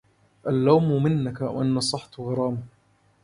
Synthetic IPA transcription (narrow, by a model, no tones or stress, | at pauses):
ʔalːawmʊmɪnːakawʔanːasˤɑħt̪ɣɑɾˤɑːma